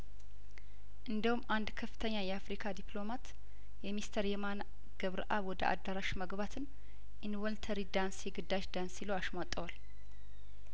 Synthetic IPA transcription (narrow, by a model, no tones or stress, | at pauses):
ʔɨnd̪əhumːʔand̪kʰəfːɨ̥t̪ʰəɲːajɛafɾikʰad̪iplo̞mat̪ | jɛmist̪ʰəɾjɛman | ɡ̥əβɾʔaβwɔd̪əʔa̰d̪ːaɾaʃməɡbat̪ʰɨn | ʔinwəlt̪ʰəɾid̪ansjɛɡɨd̪ːaʃd̪ansiləwaʃmat̪ʼːəwal